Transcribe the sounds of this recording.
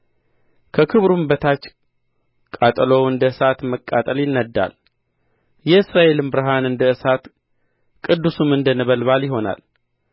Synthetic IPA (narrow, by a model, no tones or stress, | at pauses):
kʰəkʰɨβɾumbət̪ʰat͡ʃː | kʼat̪ʼlowɨnd̪əɨsat̪məkʼːat̪ʼəljɪnːəd̪ːa̰l | jɛɨsɾaʔe̞lɨmbɨɾəɦanɨnd̪əɨsat̪ | kʼɨd̪ːusumɨnd̪ənəβəlβaljɪɦo̞na̰l